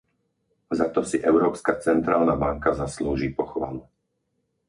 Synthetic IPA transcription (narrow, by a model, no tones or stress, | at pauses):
zat̪ɔsiʔɛʊɾɔːpskat͡sɛnt̪ɾaːlnabaŋkazasluːʒiːpɔxʋa̰lu